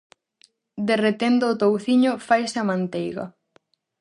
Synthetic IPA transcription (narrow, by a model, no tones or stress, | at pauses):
d̪eret̪end̪oːt̪owθiɲʊfajsɐmãnt̪ejɣɐ̰